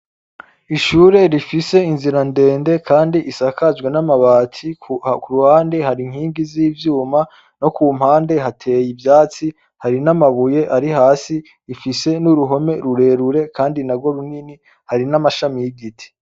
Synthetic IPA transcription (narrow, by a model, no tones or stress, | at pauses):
iʃuɾe̞ɾifise̞inziɾande̞ːnde̞kʰaːndiʔisakazɡwenamaβaːt͡sikuɾuhaːnde̞haɾiŋ̥hiːŋɡiziːvjuːma | no̞kuːm̥haːnde̞ɦatʰe̞ːjivjaːt͡si | haɾinamaβuje̞ʔaɾihaːsi | ifise̞nuɾuɦo̞me̞ɾuɾe̞ːɾuɾe̞kaːndinaɡo̞ɾunini | haɾinamaʃamijiɡitʰi̥